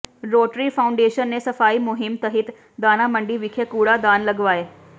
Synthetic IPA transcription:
ɾoʈɾiːfawuɳɖeɕənːesəfaiːmuɦimt̪əɦiːt̪ | d̪anaməɳɖiːʋikʰekuɽad̪anləɡʋae

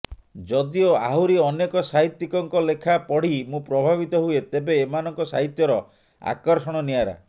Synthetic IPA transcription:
d͡ʒɔd̪ioa̰ɦuɾiɔnekɔsaɦit̪ːikɔŋkɔlekʰapɔɽ̤imũpɾɔbʱabit̪ɔɦuet̪ebeːmanɔŋkɔsa̰ɦit̪jɔɾɔ | a̰kɔɾsɔɽ̃ɔniaɾa̰

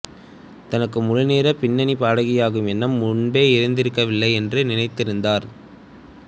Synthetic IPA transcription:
t̪ɐnɐkːɯmʊɻɯneːɾɐpɪnːɐnipaːɽɐɣɪjaːɣɯmɛnːɐmːʊɳbeːɪɾɯnd̪ɪɾɯkːɐʋɪlːɐɪɛndrɯnɪnɐɪt̪ːɪɾɯnd̪aːɾ

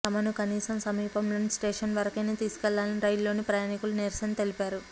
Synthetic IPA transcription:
ɐmɐnukɐniːsɐmsɐmiːpɐmlo̞ːnisʈe̞ːʂɐnʋɐɾɐkɐjneːt̪iːsu̥kɛlːaːlɐniɾɐjulːo̞ːnipɾɐjaːnikuluniɾsɐnt̪e̞lipaːɾu

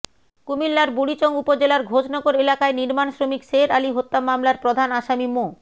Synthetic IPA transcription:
kumilːaɾbuɽit͡ɕoŋupod͡ʑelaɾɡʱod͡ʑnɔɡoɾelakaeniɾmanʃɾomikʃeɾaliɦot̪ːamamlaɾpɾod̪ʱanaʃamimo

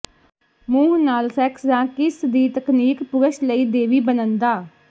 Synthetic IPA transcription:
mũːɦnaːlsɛːksd͡ʒ̪ãːkɪsd̪iːt̪əkniːkpʊɾəʃləiːd̪eːʋiːbənə̃nd̪aː

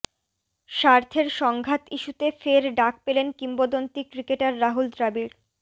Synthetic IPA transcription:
ʃaɾt̪ʰeɾʃɔŋɡʱat̪iʃut̪efeɾɖak̚pelenkimbod̪ont̪ikɾikeʈaɾːaɦuld̪ɾabiɾ

